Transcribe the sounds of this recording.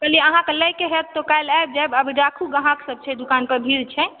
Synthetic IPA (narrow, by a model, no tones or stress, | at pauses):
kəliəɦãkeləjkeɦet̪ːokajlaeb̚d͡ʒabəbʱiɖakʰuɡə̃ɦãksəb̚t͡ʃʰɛd̪ukanpəɾbʱiɾt͡ʃʰɛ